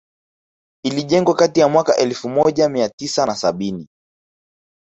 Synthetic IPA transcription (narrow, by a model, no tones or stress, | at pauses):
iliʄɛŋɡwakatijamwakaʔɛlfumɔʄamiatisanasaɓini